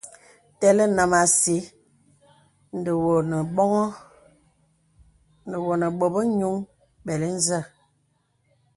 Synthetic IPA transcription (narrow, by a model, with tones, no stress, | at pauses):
tɛ˨lə˦na˨ma˨si˨˦ | n̩˨də˨wo˨nə˨ɓɔ˦ŋɔ˦ | n˨də˨wo˨nə˨ɓo˨bə˦ɲu˦ŋ | ɓɛ˨li˦n̩˦zə˦˨